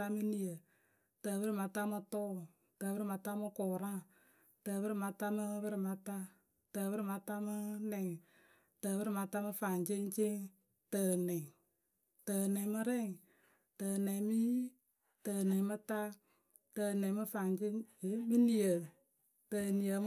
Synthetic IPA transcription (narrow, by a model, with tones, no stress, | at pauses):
a˦mɨ˦ni˨jə˨ | tə˨bɨ˦ɾɪ˨ma˧ta˦mɨ˧tɔ˦˨ | təː˨bɨ˦ɾɪ˨ma˧ta˦mɨ˧kɔ˨ɾa˦ | tə˨bɨ˦ɾɪ˨ma˧ta˦mɨ˦bɨ˦ɾɪ˨ma˧ta˦ | tə˨bɨ˦ɾɪ˦˨ma˧ta˦mɨ˦nɛ˨ŋ˨ | təː˨bɨ˦ɾɪ˦˨ma˧ta˦mɨ˧fa˨ŋt͡ʃe˦ŋ˦t͡ʃe˦ŋ | tə˨nɛ˨ŋ | tə˨nɛ˨ŋ˦mɨ˦ɾɛ˦˨ŋ | tə˨nɛ˨ŋmi˦ | tə˨nɛ˨ŋ˦mɨ˦ta˦ | tə˨nɛ˨˦mɨ˦fa˨ŋd͡ʒe˦ŋe˨˦mɨ˦ni˨jə˨ | tə˨ni˨jə˨m